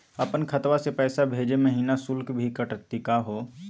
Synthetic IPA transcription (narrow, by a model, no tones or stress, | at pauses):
əpənkʰət̪wasepɛːsabʱeːd͡ʒeməɦiːnasʊlkbʱikəʈək̚t̪ikaɦo